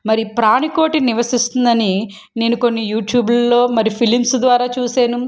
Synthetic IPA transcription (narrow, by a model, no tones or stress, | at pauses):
mɐɾipɾaːniko̞ːʈiniʋɐsist̪und̪ɐni | ne̞ːnuko̞nːijuːʈjuːblɐlːo̞ːmɐɾipʰilimsd̪ʋaːɾaːt͡ʃuːseːnu